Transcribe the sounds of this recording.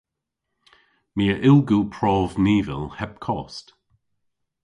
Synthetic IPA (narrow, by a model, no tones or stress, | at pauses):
miːəʔɪlɡuːpʰɹɔːvniːvɪ̰lhɛp̚kʰɔːst